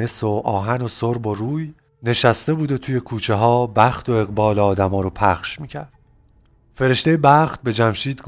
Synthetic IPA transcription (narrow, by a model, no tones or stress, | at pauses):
eso̞ɒːɦæno̞soɾbo̞ɾuːj | ne̞ʃæst̪e̞buːd̪o̞t̪ʰuːje̞kʰuːt͡ʃʰe̞ɦɒːbæxt̪ʰo̞e̞ɣbɒːleɒːd̪æmɒːɾopʰæχʃmiːcʰæɾd̪̥̚ | fe̞ɾe̞ʃt̪ejebæχt̪̚be̞d͡ʒæmʃiːd̪ɡ